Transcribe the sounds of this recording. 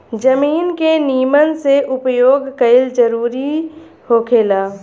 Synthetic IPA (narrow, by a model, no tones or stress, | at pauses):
d͡ʒəmiːnkeniːmənseʔʊpəjoːɡkəɪld͡ʒəɾuːɾi | hoːkʰeːlaː